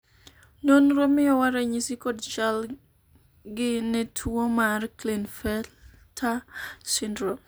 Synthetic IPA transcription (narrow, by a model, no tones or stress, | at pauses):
nonɾomɪjɔwaɾɛɲisikodt͡ʃal | ɡɪnɛtʰwomarklinfɛl | tʰasindɾo